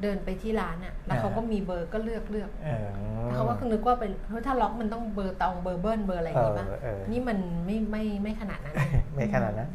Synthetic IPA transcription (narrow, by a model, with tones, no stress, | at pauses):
dɤː˧npa˧jt̪ʰiː˥˩ɾaː˦˥nʔa˨˩ʔlɛ˦˥kʰa˦˥wkɔː˥˩miː˧bɤː˧kɔː˥˩lɯ˥˩ək̚lɯ˥˩ək̪̚ːɛː˧˥˩kʰa˧˦wa˥˩kʰa˧˥˧ŋnɯ˦˥k̚waː˥˩pa˧jʰt̪ʰaː˥˩lɔ˦˥k̚ma˧nt̪ɔ˥˩ŋbɤː˧t̪ɔ˧ŋbɤː˧bɤː˥˩nbɤː˧la˧jbaː˧˩ʔniː˦˥ma˧nma˥˩jma˥˩jma˥˩jkʰa˧na̰˨˩t̪̚na˦˥nma˥˩jkʰa˧na̰˨˩t̪̚na˦˥n